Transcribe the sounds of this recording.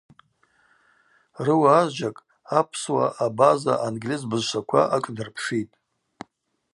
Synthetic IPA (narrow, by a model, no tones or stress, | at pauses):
rɨwaːzʒakʼ | apʰswaʔabaza̰ʔanɡlizbɨzʃʷakʷʰa̰ʔakʼdɨrpʰʂitʼ